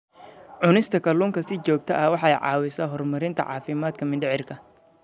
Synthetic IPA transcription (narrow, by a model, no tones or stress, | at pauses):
ʕʊnɪst̪ʰɐkʰɐluːŋkʰɐsɪt͡ʃɔːɡ̚t̪ʰɐʔɐwɑħɑɛjʕɑ̰ːwɪsɐːɦɔrmɐɾɪnt̪ʰɐ̰ʕɑ̰ːfɪmaːd̪kʰɐmɪndɪʕɪrkʰɐ